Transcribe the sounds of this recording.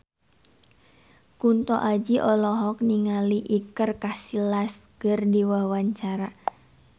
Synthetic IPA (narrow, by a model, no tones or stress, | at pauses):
kunt̪ɔʔad͡ʒiʔɔlɔɦɔk̚niŋaliʔikərkasilasɡ̥ərdiwawaɲt͡ʃaɾa